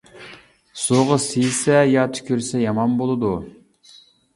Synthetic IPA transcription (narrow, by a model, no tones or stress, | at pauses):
soʁəsijsɛjɑt̪ʰy̥kʲʰyɾsɛjɑmɑnbolˠɨd̪u